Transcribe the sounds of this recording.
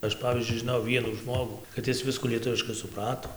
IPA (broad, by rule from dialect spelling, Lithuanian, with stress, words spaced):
ˈɐʃ ˈpɑːʋʲiːzʲd͡ʒʲʊɪ ʒʲɪˈnoːjɛʊ ˈʋʲiɛnuː ˈʒmoːɡuː kɐt ˈɪs ˈʋʲɪskuː lʲiɛˈtʊʋʲɪʃkɐɪ sʊˈprɑːtoː